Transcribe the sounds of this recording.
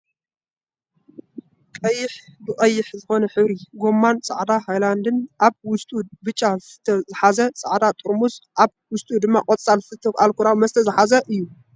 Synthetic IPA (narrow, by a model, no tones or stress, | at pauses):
kʼɐjːɪħbɨkʼɐjːɪħzɨxo̞nɐħɨβɾiɡo̞mːansʼaʕd̪ahajland̪ɨnʔaβwʊst̪ʼubɨt͡ʃʼːazt̪ʰɐzɨħazɐt͡sʼaʕd̪at̪ʼuɾmusʔaβ | wʊst̪ʼud̪ɨmːa̰kʼot͡sʼalsɨt̪ʰːɨkalkʰuɾawmɐzɨt̪ʰɐzɨħazɐʔɨjːu